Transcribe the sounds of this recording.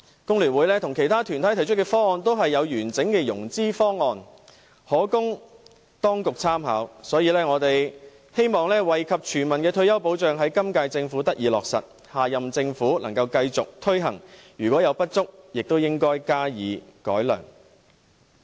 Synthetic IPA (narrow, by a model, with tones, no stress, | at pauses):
kʊ˥ŋlyː˨˩nwuː˨˥jlɛː˥t̪ʰʊ˨˩ŋkʰe˨˩jt̪ʰaː˥t̪ʰyː˨˩nt̪ʰɐ˨˥jtʰɐ˨˩jt͡ʃʰɵ˥t̚kɛː˧fɔː˥ŋɔː˨˧nt̪o˥wɦɐ˨jːɐ˨˧wjyː˨˩nt͡sɪ˨˥ŋkɛː˧jʊ˨˩ŋt͡siː˥fɔː˥ŋɔː˨˧n | hɔː˨˥kʊ˥ŋ | t̪ɔː˥ŋkʊ˨k̚t͡sʰaː˥mɦaː˨˥wsɔː˨˥jiː˨˧lɛː˥ŋɔː˨˧t̪e˨j | he˥jmɔː˨ŋlɛː˥wɐ˨jkʰɐ˨p̚t͡ʃʰyː˨˩nmɐ˨˩nkɛː˧t̪ʰɵ˧ɥjɐ˥wpo˨˥wt͡ʃœː˨ŋɦɐ˨˥jkɐ˥mkaː˧jt͡sɪ˧ŋfuː˨˥t̪ɐ˥k̚jiː˨˧lɔ̰ː˨k̚sɐ̰˨t̚ | haː˨jɐ˨mt͡sɪ˧ŋfuː˨˥lɐ˨˩ŋkɐ˧wkɐ˧jt͡sʊ˨k̚t̪ʰɵ˥ɥɦɐ̰˨˩ŋjyː˨˩kwɔː˨˥jɐ˨˧wpɐ˥t̚t͡sʊ˥k̚jɪ˨k̚t̪o˥wjɪ˥ŋkɔː˥jkaː˥jiː˨˧kɔ̰ː˨˥jlœ̰ː˨˩ŋ